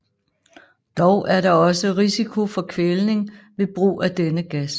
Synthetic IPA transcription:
d̥ɒʊʔæɐɾɑ̈ɒ̽səʁisikʰo̝fɒ̽kʰʋelne̝ŋʋe̝b̥ʁṵːʔæd̥enəɡ̥æs

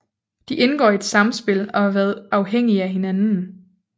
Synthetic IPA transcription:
d̥iʔenɡ̥ɒ̰ːied̥sɑ̈msb̥e̝l̰ɒ̽hɑ̈ʋæːɐð̩ˠɑ̈ʊɦeŋ̰iæɦe̝nænn̩

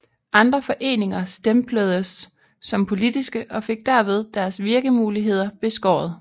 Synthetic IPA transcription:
ʔɑ̈nd̥ʁɐfɒ̽ʔe̝̰ːne̝ŋɐsd̥empʰlœð̞ˠəsː | ɒ̽mpʰo̝lid̥isɡ̥əʔɒ̽fe̝ɡ̥̚d̥æɐ̰ʋe̝ð̞ˠd̥æɐsʋiɐɡ̥əmuːliɦe̝ð̞̰ˠɐb̥e̝sɡ̥ɒ̰ːð̩ˠ

